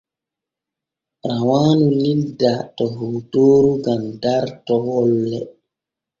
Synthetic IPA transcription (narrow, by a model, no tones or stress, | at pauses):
ɾawaːnulidatɔɦuːtoːɾuɡandaɾtɔwɔlːɛ